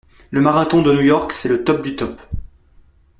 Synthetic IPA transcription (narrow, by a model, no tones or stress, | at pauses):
ləmaʁat̪ɔ̃d̪ənujɔʁksɛlət̪ɔp̚d̪yt̪ɔp